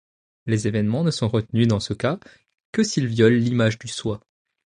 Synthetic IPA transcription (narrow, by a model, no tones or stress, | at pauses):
lezevɛnmɑ̃nəsɔ̃ʁət̪nyd̪ɑ̃səka | kəsilvjɔlːimaʒd̪yswa